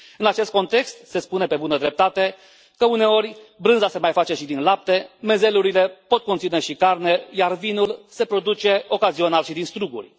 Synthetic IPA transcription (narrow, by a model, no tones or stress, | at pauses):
ɨnat͡ʃe̞st̪̚ko̞nt̪e̞kst̪se̞spunepe̞bunəd̪ɾe̞p̚t̪at̪e̞ | kəune̞o̞ɾʲbɾɨnzase̞majfat͡ʃe̞ʃid̪inlap̚t̪e̞me̞ze̞luɾile̞po̞t̪̚ko̞nt̪sine̞ʃikarne̞jarvinulse̞pɾo̞d̪ut͡ʃe̞o̞kazio̞nalʃid̪inst̪ɾuɡṵrʲ